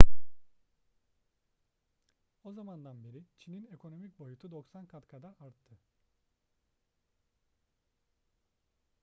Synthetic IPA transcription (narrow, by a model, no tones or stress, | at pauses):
o̞zamand̪anbeɾit͡ʃʰinine̞kʰo̞no̞mic̚bo̞jut̪ʰud̪o̞ksankʰat̪kʰad̪aɾaɾt̪ʰːɯ